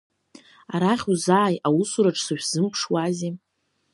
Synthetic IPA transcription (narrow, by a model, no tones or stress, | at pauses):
aɾaχʲuzaːjawusuɾaʈ͡ʂʰʼsɨʃᶣz̥ɨmpʰʂwaze